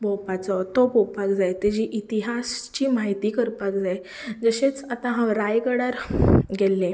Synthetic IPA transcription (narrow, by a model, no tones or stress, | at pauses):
bɔwpat͡sɔt̪obɔwpakd͡zajt̪ed͡ʑiʔit̪iɦast͡ɕimaɦit̪iːkəɾpak̚d͡zae | d͡zəɕet͡sat̪ãɦãwɾajɡəɽaɾɡelːẽ